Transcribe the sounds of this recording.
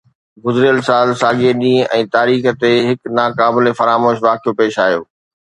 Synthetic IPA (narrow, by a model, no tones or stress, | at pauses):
ɡʊzɾijəlsaːlsaːɠeɗĩːʔɛ̃ːt̪aːɾiːxət̪eɦɪknaːkaːbɪlefɐɾaːmoːʃʋaːkʰijopeːʃaːɦijo̰ː